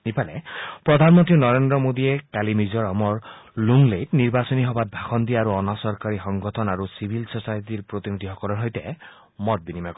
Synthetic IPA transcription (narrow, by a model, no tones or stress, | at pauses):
nipalɛ̰pɹɔd̪ʱanmɔnt̪ɹinɔɾendɾɔmod̪iekalimizɔɹɔmɔɹlunlejtniɹbasɔniɦɔbat̚bʱaxɔnd̪iaɾuɔnasɔɹkaɹixɔŋɡɔtʰɔnaɾusibʱilsɔsajt̪iɹpɹot̪inid̪ʱiɦɔkɔlɔɹɦɔjtɛ | mɔt̪̚binimak